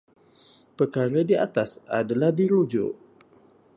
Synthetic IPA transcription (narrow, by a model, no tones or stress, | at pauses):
pəkaɾədiat̪asa̰dalahdiɾud͡ʒʊ̰ʔ